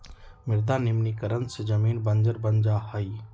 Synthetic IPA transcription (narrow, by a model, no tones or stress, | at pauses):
miɾd̪animnikəɾənsed͡ʒəminbənd͡ʒəɾbənd͡ʒahəj